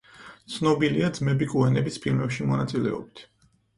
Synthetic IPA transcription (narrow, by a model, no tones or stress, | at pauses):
t̪sʰnɔbiliad̪zmɛbikʼuɛnɛbisʰpʰilmɛpʃimɔnat̪sʼilɛ̰ɔ̰bit̪ʰ